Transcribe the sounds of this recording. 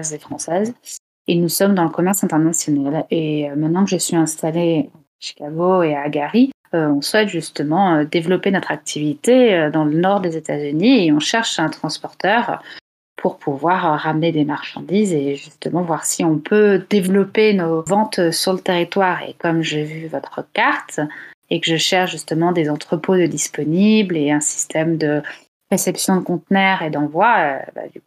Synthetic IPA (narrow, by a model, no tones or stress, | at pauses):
zefχɑ̃sɛz | enusɔmd̪ɑ̃ləkɔmɛʁsɛ̃t̪ɛʁnasjɔnaleømɛ̃t̪nɑ̃kəʒəsɥiɛ̃st̪alea | ʃi̥kaɡoeaɡaʁi | øɔ̃swɛt̪ʒyst̪əmɑ̃ød̪evlɔpenɔt̪χak̚t̪ʰivit̪eød̪ɑ̃lənɔʁd̪ezet̪azynieɔ̃ʃɛʁʃɛ̃t̪χɑ̃spɔʁt̪œːʁ | pʰuʁpʰuvwaʁʁamned̪emaʁʃɑ̰̃d̪izeʒyst̪əmɑ̃vwaʁsiɔ̃pʰød̪evlɔpenovɑ̃t̪syʁlət̪eʁit̪waʁḛkɔmʒevyvɔt̪χəkaʁt̪ekəʒəʃɛʁʃʒyst̪əmɑ̃d̪ezɑ̃t̪χəpod̪əd̪ispɔnibleɛ̃si̥st̪ʰɛmd̪ə | ʁesɛpsjɔ̃d̪əkɔ̃t̪nɛʁed̪ɑ̃vwaøba̰d̪yku